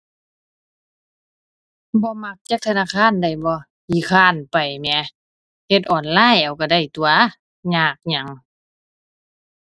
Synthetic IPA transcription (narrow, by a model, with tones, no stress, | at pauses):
bɔː˧˦ma˧˥k̚t͡ɕa˧˥k̚t̪ʰa˧naː˧˨kʰaː˧˥˨nda˧˩˨jbɔː˧˦ | hiː˧˩kʰaː˧˩˨npa˨˩jmɛ˧˦ | he˧˦t̪̚ʔɔː˨˩nlaː˧˥˨jʔa˨˩wka˧˩da˧˥˩jt̪u˧ɐ | ɲaː˧˩k̚ɲa˧˦ŋ